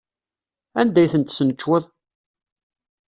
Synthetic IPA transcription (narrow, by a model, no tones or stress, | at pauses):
ænd̪æjθənt̪sənt͡ʃːwʊðˤ